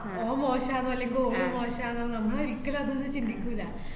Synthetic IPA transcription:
oːmoːɕaːnɐʋɐlːeŋɡiloːumo̞ːɕaːnɐːnɐmːɐɽeɾikːɐlɐnːenːɨt͡ɕind̪ikʲːuilːa

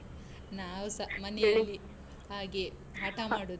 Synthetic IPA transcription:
naːʋusɐmɐnejɐlːi | ɦaːɡe | ɦaːʈɐmaːɽu

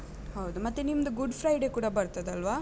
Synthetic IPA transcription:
hɐwd̪umɐt̪ːenimːɐd̪uɡuɖpʰɾɐjɖe̞kuːɽɐbɐɾt̪ɐd̪ɐlʋaː

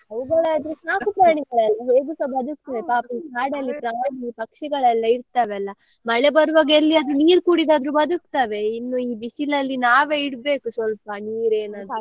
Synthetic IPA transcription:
ɦɐʋuɡɐɭead̪ɾusaːkupɾaːɳiɡɐɭɛlːɐɦeːɡusɐbɐd̪uk̚t̪aʋepaːpipaːɽɐlːipɾaːɐlːipɐkʂiɡɐɭɛlːɐiɾt̪aːʋeɐlːɐ | mɐɭebɐɾuʋaːɡelːiɐd̪ɾuniːɾkuːɽid̪aːd̪ɾubɐd̪ukt̪aːʋe̞inːuiːbisilɐlːinaːʋe̞ːiɽbe̞ːkusʋɐlpɐniːɾe̞ːnaːd̪ɾu

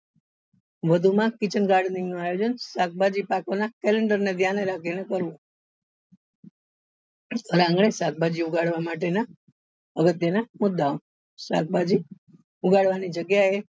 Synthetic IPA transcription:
ʋəd̪ʱumãkit͡ʃənɡaɾɖniŋnuajod͡ʒənsak̚bad͡ʒipakonakɛleɳɖəɾned̪ʱjaneɾakʰinekəɾʋũ | əɾãŋɡɭesak̚bad͡ʒiuɡaɽʋamaʈ̬ena | əɡət̪jənamʊd̪ːao | sa̰k̚bad͡ʒi | uɡaɽʋanid͡ʒəɡjae

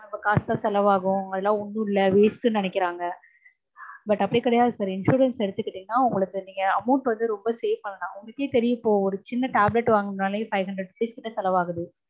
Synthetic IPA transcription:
ɐmbɐkaːst̪ãːsɛlɐʋaːɣʊ̃ɐðɐlːãːɔɳːɯ̃ɪlːɐʋeːsʈɯnɪnɛkːɪɾaːŋɡɐ | bɐʈːɐpːɐɽikɪɽɐjaːðɯsaːɾɪnʂuːɾɐnsɛɽɯt̪ːɯkːɪʈːiːŋɡɐnaːʊŋɡɐɭɯkːɯniːŋɡɐɐmɐʊɳʈʋɐnd̪ɯɾɔmbɐseːfpɐnːɐnãːʊŋɡɭɐkːeːt̪ɛɾɪjɯɪpːoːɔɾɯt͡ʃɪnːɐʈaːblɛʈːʋaːŋɡnaːlɐjfɐɪʋɦɐɳɖɾɛɖfliːskɪnːɐsɛlɐʋaːɣɯðɯ

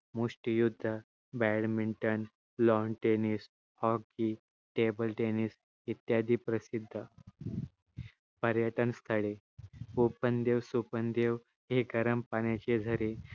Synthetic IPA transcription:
muʂʈijud̪ʱːə | bæɽmiɳʈən | lɔɳʈenis | hɔki | ʈebəlʈenis | it̪jad̪ʱiːpɾəsid̪ʱːə | pəɾjəʈənst̪ʰəɽe | upənd̪eʋsupənd̪eʋ | ɦeɡəɾəmpanat͡ɕed͡zʱəɾe

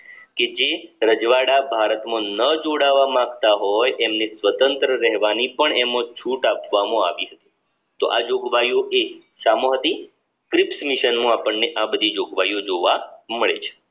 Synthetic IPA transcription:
ked͡ʒeɾəd͡ʒʋaɽabʱaɾət̪mõnəd͡ʒoɽaʋamãɡt̪aɦɔjʔɛmnisʋət̪ənt̪ɾəɾəɦʋanipəɳɛmõt͡ʃʰuʈapʋamõaʋiɦət̪i̥ | t̪oʔad͡ʒoɡʋajoʔe | ʃamoɦət̪i | kɾipsmiʃənmõapəɳːeʔabəd̪ʱid͡ʒoɡʋajod͡ʒoʋaməɭḛt͡ʃʰe̥

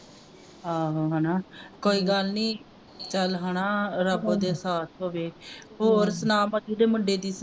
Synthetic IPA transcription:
ɦaːɦoːɦaːnaːkoːiːɡəlniː | t͡ʃəlɦanaːɾəbõːd̪eːsaːt̪ʰɦoːʋeːɦoːɾsənaːməd̪id̪eːmʊɳɖeːd̪iːs

